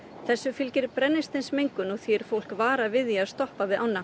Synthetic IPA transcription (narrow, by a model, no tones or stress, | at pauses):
θɛsːʏfɪlcɪɾpɾɛnːɪst̪ɪnsmejŋkʏnɔɣθviɛɾ̥fowl̥kvaːɾavɪðjiast̪ɔhpavɪðʔawnːa